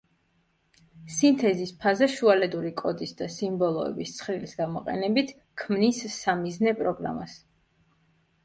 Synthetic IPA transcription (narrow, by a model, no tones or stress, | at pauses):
sint̪ʰɛzispʰazɛʃualɛd̪uɾikʼɔd̪isd̪asimbɔlˠɔɛ̰bist̪sʰχɾilisɡamɔqʼɛ̰nɛbit̪ʰ | kʰmnisːamiznɛpʼɾɔɡɾa̰mas